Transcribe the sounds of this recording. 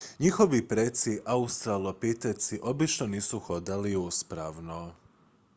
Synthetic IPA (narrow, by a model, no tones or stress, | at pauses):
ɲixo̞ʋipɾet̪siʔaust̪ɾalˠopit̪et̪siʔo̞bit͡ʃnoniːsuxo̞d̪aliuspɾaʋno